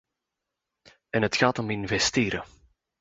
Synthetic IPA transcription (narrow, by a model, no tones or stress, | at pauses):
ɛnɦətxaːtɔmɪnvɛsteːɾə